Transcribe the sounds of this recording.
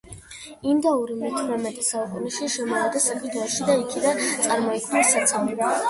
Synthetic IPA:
imd̪auɾimɛt̪ʰmɛmɛt̪ʼɛsaukʼunɛʃiʃɛmɔad̪asakʰʼid̪ʰʼaʃid̪aikʰid̪ant̪sʼaɾmɔikʰvnɛsːat̪sʰaviba

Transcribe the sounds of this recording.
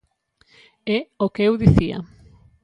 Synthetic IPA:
ɛokeewðiθia̰

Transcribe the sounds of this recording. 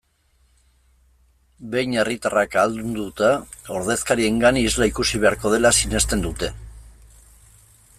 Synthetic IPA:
be̞jne̞rit̪arakald̪und̪ut̪a | o̞ɾðe̞skaɾie̞ŋɡanizlaikusiβ̞e̞aɾko̞ð̞e̞lasine̞st̪e̞nd̪ut̪e̞

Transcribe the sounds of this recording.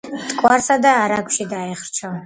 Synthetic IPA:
t̪ʼkʼwaɾsad̪aːɾaɡʷʃid̪aɛχɾt͡ʃʰɔ

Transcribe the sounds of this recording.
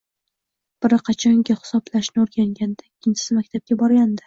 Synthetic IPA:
b̥ɪɾɪqʰɑt͡ʃʰɒŋɡʲɪhɪ̥sɒblaʃnɪoɾɡʲaŋɡʲand̪aikʲʰːɪnt͡ʃʰɪ̥sɪmakʲt̪ʰap̚ɡʲabɒɾɡʲand̪ɪ

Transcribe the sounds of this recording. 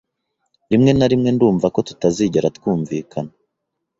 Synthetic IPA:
ɾimŋe̞naɾimŋe̞nduːɱvako̞tu̥taziɟeɾatkuːɱviːkʰana

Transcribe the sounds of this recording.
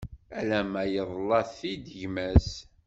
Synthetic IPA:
ælæmæjəðˤlːɑθːid̪əʝmæs

